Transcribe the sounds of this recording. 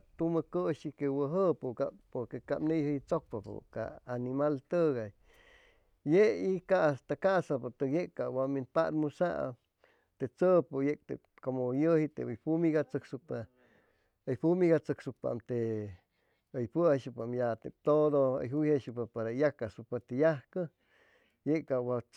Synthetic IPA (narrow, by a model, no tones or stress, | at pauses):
t̪uməkəʃikewəɦəpukapoɾkeka̰pnejhəjt͡sok̚papo̰ka̰ːnimalt̪əɣaj | jeikast̪akasapot̪ɨkjekkawaminpaɾmusa̰ʔ | t̪eʔt͡səpojek̚t̪ḛ | komojəhit̪ejpumiɡat͡sɨksupa | əjpumiɡat͡sɨksupa̰mt̪e | əjpəheʃɨpamjat̪ep̚t̪od̪oə̰jɦujheʃupapaɾajakasupat̪ejahkə | jeʔkawa